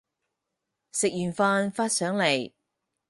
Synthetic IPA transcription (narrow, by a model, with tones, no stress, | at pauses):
sɪ˨k̚jyː˨˩nfaː˧nfaː˥t̚sœː˨˥ŋle˨˩j